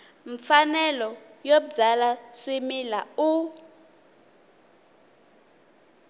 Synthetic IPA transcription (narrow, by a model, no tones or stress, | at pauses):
ɱfanɛlɔjoɓud͡zalasimilau